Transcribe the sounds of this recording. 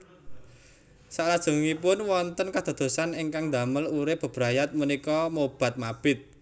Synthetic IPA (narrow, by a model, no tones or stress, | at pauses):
salad̥ʒ̥ṳŋipʊnwɔnt̪ənkad̪̥a̤d̪̥o̤saniŋkaŋd̪a̤məluɾɪpb̥ə̤b̥ɾajat̪̚munikɔmob̥a̤t̪̚mab̥ɪt̪̚